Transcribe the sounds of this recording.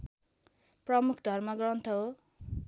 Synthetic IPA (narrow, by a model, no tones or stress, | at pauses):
prʌmukʰd̪ʱʌrmʌɡrʌnt̪ʰʌɦo